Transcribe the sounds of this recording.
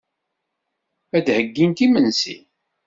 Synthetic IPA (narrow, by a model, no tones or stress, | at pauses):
æd̪həɡːint̪imənsḭ